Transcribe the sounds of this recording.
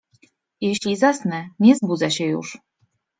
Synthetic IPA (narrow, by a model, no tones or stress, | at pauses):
jɛɕlʲizasnɛnʲɛzbud̪zaɕɛjṵʂ